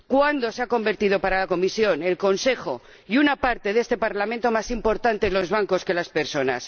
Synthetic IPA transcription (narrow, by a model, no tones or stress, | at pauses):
kwand̪o̞seako̞mbe̞ɾt̪ið̞o̞paɾalako̞misjo̞ne̞lko̞nse̞xo̞ | junapaɾt̪e̞ðe̞st̪e̞paɾlamẽnt̪o̞masimpo̞ɾt̪ant̪e̞lo̞zβ̞aŋko̞ske̞laspeɾso̞na̰s